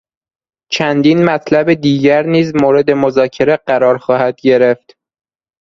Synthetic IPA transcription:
t͡ʃʰænd̪iːnmæt̪ʰlæbed̪iːɟæɾniːzmoːɾe̞d̪e̞mozɒːcʰe̞ɾeɢæɾɒːɾxɒːhæd̪̥ɟe̞ɾeft̪

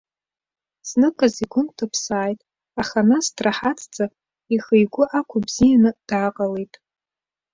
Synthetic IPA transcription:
snɨkʼaziɡʷʊntʰɨpʰsaːjtʼ | aχanastʰraħat͡sʰʼt͡sʼa | ixejɡʷʊʔakʷʰʊbz̥ijanɨd̥aːqʼalejtʼ

